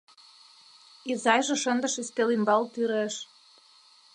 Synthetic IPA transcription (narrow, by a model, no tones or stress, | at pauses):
izɑjʒĕʃə̆nd̪ə̆ʃist̪elimbɑlt̪yɾeʃ